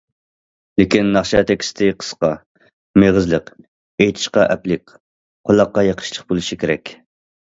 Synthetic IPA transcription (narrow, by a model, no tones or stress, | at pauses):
lekʲinːɑχʃɑt̪ʰɛkʲi̥st̪ʰɪqʰə̥sqɑ | meʁəzlˠəq | ejt̪ʰɪ̥ʃqɑʔɛplɪkʲ | qʰolˠɑqːɑjɑqʰə̥ʃlˠəχbolˠɨʃikʲeɾɛkʲ